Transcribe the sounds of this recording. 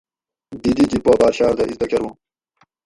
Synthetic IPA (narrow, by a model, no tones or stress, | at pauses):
d̪id̪id͡ʑipoːbɑːɾɕaːɾd̪ɐ̰ʔizd̪ɐkeɾwũ